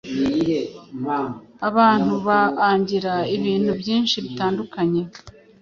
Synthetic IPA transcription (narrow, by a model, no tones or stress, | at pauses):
aβaːn̥huβaaːɲɟiɾaiβiːn̥hubjiːnʃiβitaːndukaɲe̞